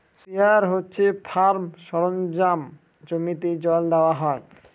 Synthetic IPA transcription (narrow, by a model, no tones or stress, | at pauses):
siaɾɦotːɕʰefʰaɾmʃɔɾond͡ʑam | d͡ʑomit̪ed͡ʑɔld̪eoaɦɔe